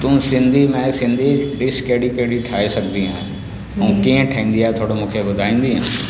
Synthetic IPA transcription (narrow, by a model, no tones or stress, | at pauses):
t̪ũːsɪ̃nd̪ʱimɛ̃sɪ̃nd̪ʱiɖɪskeɽikeːɽiʈʰaːesɐɡnd̪iɦãː | ũkĩə̃ʈʰəĩːn̆d̪iaːɦet̪ʰoːɽomũːkʰebʊd̪ʱaːĩːnd̪iɦã̰ː